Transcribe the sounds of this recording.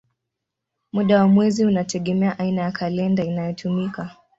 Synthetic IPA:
muɗawamwɛziunatʰɛɠɛmɛaʔainajakʰalɛndainajɔtʰumika

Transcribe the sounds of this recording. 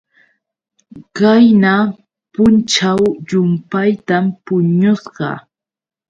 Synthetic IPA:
kajna | pʊnt͡ʃawʎʊmpajt̪ampʊɲosɢɑ̰

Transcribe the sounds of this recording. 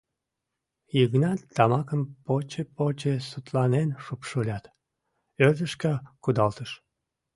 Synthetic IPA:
jiɣnɑt̪ːɑmɑkəmpot͡ɕepot͡ɕesut̪lɑnenʃupʃolʲɑt̪ | ørd̪əʃkɑkud̪ɑlt̪əʃ

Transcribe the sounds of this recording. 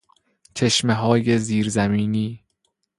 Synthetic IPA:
t͡ʃʰe̞ʃmeɦɒːjeziːɾzæmiːniː

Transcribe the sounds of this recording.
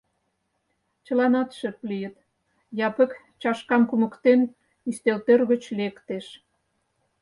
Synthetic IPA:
t͡ɕə̆lɑnɑt̪ʃə̆klijət̪ | jɑpə̆k | t͡ɕɑʃkɑmkumə̆kt̪en | yst̪elt̪erɣə̆t͡ɕlekt̪eʃ

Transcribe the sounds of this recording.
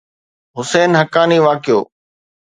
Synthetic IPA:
ɦʊseːnɦəkaːniːʋaːkɪjo̰ː

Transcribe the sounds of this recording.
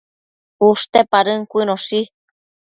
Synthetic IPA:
uʂt̪epaɾɨŋkʷinõsi

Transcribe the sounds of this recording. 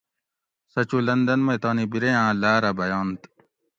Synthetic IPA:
sɐt͡ɕulɐnd̪ɐnmɐt̪aːnibiɾejãːlaːɾɐbɐjaːnt̪

